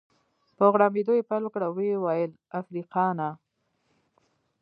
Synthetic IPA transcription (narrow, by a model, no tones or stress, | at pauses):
pɾoɣɽɑmed̪ojepalokɽawewɑjəl | afɾiqɑna